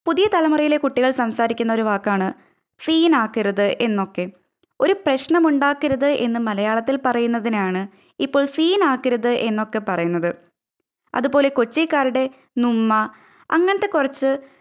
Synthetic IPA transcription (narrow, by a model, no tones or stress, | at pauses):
puðijɐt̪ɐlɐmɐrɐjile̞kuʈːiɣɐɭsɐmsaːɾikʲːunːɐoɾuʋaːkːaːɳɨ | siːnaːkːiɾɐðɨʔe̞nːo̞kːe̞ | o̞ɾuprɐɕɳɐmuɳɖaːkːiɾɐðɨʔe̞nːɨmɐlɐjaːɭɐt̪ːilpɐrɐjunːɐðinaːɳɨ | ipːo̞ːɭsiːnaːkːiɾɐðɨʔe̞nːo̞kːe̞pɐrɐjunːɐðɨ | ɐ̰ðubo̞ːle̞ko̞t͡ɕːikːaːɾuɽe̞ | numːɐ | ɐ̰ŋːɐɳɐt̪ːe̞kurɐt͡ɕːɨ